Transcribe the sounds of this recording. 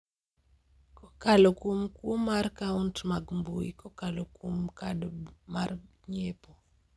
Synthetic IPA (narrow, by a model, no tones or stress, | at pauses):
kɔkalokumkumarkauntmaɡmbuikɔkalokumkaɗmar | ɲepɔ